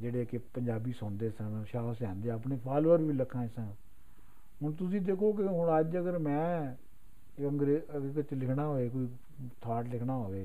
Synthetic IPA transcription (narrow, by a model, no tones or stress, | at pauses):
d͡ʒeːɽeːkɪpəɲd͡ʒaːbiːsʊːnd̪eːsənʃaːsɛ̃ːnd̪eəpɳeːpʰaːlːəɾʋiːləkʰːãːɪsãː | ɦʊɳt̪ʊs̬ĩːd̪eːkʰoːkɪɦʊɳəd͡ʒəɡəɾmɛ̃ː | əŋɡɾeːkt͡ʃlɪkʰnaːɦoːeːk̬oːiː | t̪ʰaːʈlɪkʰnaːɦoːʋeː